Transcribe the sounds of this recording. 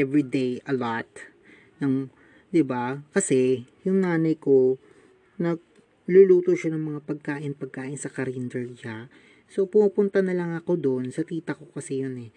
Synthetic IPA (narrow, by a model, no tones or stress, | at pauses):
ʔɛvɹid̪ejɐlot̪̚ | nɐŋ | d̪ɪbakɐsɛjʊŋnaːnɐjko̞ | nɐɡ̚ | lʊluːt̪oʃanɐŋmɐŋapɐɡ̚kaːʔɪnpɐɡ̚kaːʔɪnsɐkɐɾind̪ɛɹja | so̞pʊmupʊnt̪ɐnɐlɐŋɐko̞d̪o̞nsɐk̪iːt̪ɐko̞kɐsɛjo̞nɛ